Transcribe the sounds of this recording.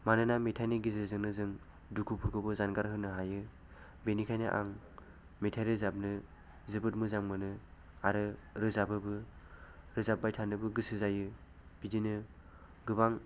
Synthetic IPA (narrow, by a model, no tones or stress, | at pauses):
manɯnametʰajniɡizɯzɯŋnɯzɯŋ | dukʰupʰuɡʰɯbɯzanɡaɾɦɯnɯɦajɯ | benikʰajnɯʔa̰ŋ | metʰajɾɯzap̚nɯ | zɯbɯt̚mɯzaŋmɯnɯ | aɾɯɾɯzabɯbɯ | ɾɯzap̚bajtʰanɯbɯɡɯsɯzajɯ | bidinɯ | ɡɯbaŋ